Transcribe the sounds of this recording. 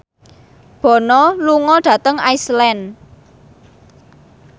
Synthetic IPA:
b̥ɔ̤nɔluŋɔɖ̥ä̤t̪əŋaislɛn

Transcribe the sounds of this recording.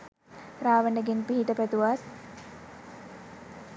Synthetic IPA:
ɾaːʋənəɡenpiɦiʈəpæt̪uʋas

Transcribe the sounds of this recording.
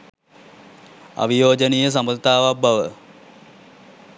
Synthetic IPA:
a̰ʋijoːd͡ʒənijəs̬aməlt̪aːʋabaʋə

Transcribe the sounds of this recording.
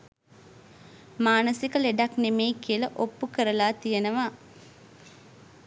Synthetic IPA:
maːnəsikəleɖaknemejkiələʔopːukəɾəlaːt̪ijənəʋaː

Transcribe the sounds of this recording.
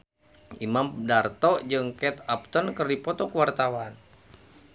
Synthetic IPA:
imamdart̪ɔʔd͡ʒɨŋkɛt̪ap̚t̪ənkərdipɔt̪ɔkəwart̪awan

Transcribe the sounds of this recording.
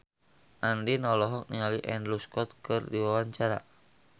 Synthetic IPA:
ʔandinɔlɔɦɔk̚niŋaliʔɛndluskɔt̪̚kɨrdiwawaɲt͡ʃaɾa̰

